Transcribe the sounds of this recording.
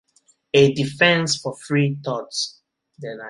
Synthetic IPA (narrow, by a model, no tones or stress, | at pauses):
edifɛ̃nsfɔfɹit̪ɔts | dɛna